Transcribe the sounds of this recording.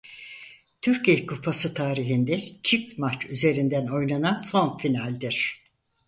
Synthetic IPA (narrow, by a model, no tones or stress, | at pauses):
t̪ʰyɾciejikʰupʰasɯt̪ʰaːɾiɦind̪ɛt͡ʃʰit̪mat͡ʃyze̞ɾind̪æno̞jnananso̞nfinalʲd̪iɾ̥